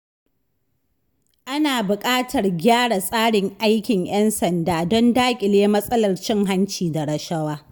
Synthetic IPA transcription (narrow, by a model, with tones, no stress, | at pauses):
ʔa˦naː˨bʊ˨kʼaː˦tɐ˨rɡʲaː˦ɽa˨sʼaː˦ɽɪ˨ŋʔa˦jkʲɪ˨ŋj̰ɛ˦nsɐ˨ndaː˨dɔ˦ndaː˦kʲʼɪ˨leː˦mɐ˦sʼɐ˦lɐ˨rt͡ʃɪ˦ŋɦa˦nt͡ʃiː˨da˨ɽɐ˨ʃɐ˦waː˦